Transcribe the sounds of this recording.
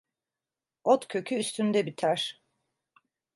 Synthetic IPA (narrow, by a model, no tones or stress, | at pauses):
ot̪cʲʰø̞cʰyːst̪ʰynd̪ɛbit̪ʰæɾ̥